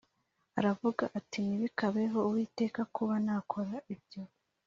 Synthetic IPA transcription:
a̰ɾavuɡaʔatiniβikaβe̞ɦo̞uwiːte̞ːkakʰuβanaːkʰo̞ɾaʔibjo̞

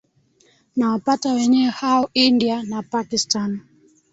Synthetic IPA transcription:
nawapatawɛɲɛwɛhaɔindianapakistan

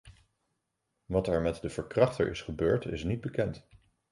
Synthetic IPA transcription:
ʋɑtɛɹmɛtdəv̥əɹkrɑχtə̰ɹɪ̰sχəbøːɹtɪsnid̚bəkɛnt

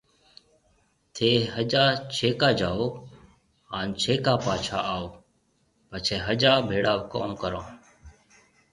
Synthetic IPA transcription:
t̪ʰeːɦəd͡ʒaːt͡ʃʰeːkaːd͡ʒaːoː | aːnt͡ʃʰeːkaːpaːt͡ʃʰa̰ːaːoː | pət͡ʃʰeːɦəd͡ʒaːbʱeːɽaːʋkoːmkəɾõː

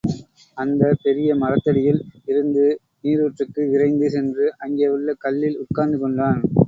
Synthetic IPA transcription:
ɐnd̪ɐpɛɾɪjɐmɐrɐt̪ːɐɽɪjɪlɪɾɯnd̪ɯ | niːɾɯʋɛʈrɯkːɯɪrɐɪnd̪ɯsɛndrɯʔɐŋɡeːʋɪɭːɐkɐlːɪlʊʈ̚kaːɾnd̪ɯkɔɳɖaːn

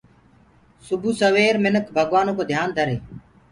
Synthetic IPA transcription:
sʊbʱuːsəʋeːɾmɪnəkʰbʱəɠʋaːnõːkoːd̪ʱjaːnd̪ʱəɾeː

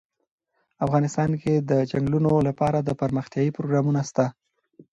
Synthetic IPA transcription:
afɣɑnɪst̪ɑnked̪əd͡ʒaŋɡlunolapɑɾad̪əpəɾməxt̪jɑipɾoɡɾɑmunast̪a

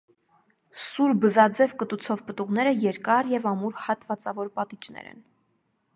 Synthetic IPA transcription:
suɾbəzɑd͡zɛvkət̪ut͡sʰɔvpət̪uʁn̪ɛɾəjɛɾkɑɾjɛvɑmuɾhɑt̪vɑt͡sɑvɔɾpɑt̪it͡ʃnɛ̰ɾɛ̰n

